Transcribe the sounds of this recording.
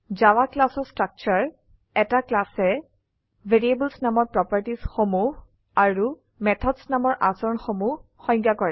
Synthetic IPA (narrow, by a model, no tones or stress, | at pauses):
zawaklasɔstɹak̚t͡ʃaɹ | ɛtaklasɛ | vʱeɹiebulsnamɔɹpɹɔpaɹtisxomuɦ | aɹu | mɛtʰɔdsnamɔɹʔa̰sɔɹnxomuɦxɔ̃jŋkakɔɹɛ